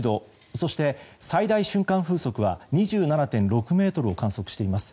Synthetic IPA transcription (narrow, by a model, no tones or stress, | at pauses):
d̪o̞ | so̞ɕi̥t̪e̞said̪aiɕɨ̃ŋkãɰ̃ɸɯ̟ːso̞kɯ̟βa̰ɲ̟iʑɨːnanat̪ẽ̞nɾo̞kɯ̟me̞ːt̪o̞ɾɯ̟o̞kãɰ̃so̞kɯ̟ɕi̥t̪e̞imasɨ̥